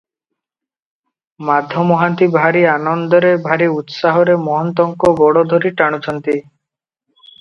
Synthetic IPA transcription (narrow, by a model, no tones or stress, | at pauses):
mad̪ʱɔmɔɦant̪ibʱaɾianɔnd̪ɔɾebʱaɾiut̪saɦɔɾemɔɦɔnt̪ɔŋkɔbɔɽɔd̪ʱoɾiʈaɽ̃ut͡ʃʰɔnt̪i